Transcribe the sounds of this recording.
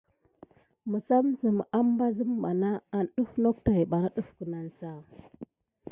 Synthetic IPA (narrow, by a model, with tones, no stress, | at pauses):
mə˨sa˦mzə˨m˨a˦mba˦zə˦m˦ba˨na˦a˨nɗu˦fno˦k̚ta˨i˨ɓa˨ɾa˦ɗu˦fkə˨na˨nsa˦˨